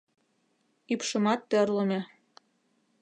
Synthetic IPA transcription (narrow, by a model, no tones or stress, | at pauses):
ypʃɤ̆mɑt̪ːɘ̆rlɤ̆mʲe